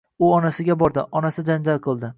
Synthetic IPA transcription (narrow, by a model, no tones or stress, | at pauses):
ʊɒnasɪɡʲabɒɾd̪ɪʔɒnasɪd͡ʒand͡ʒalˠqʰɨlˠd̪ɪ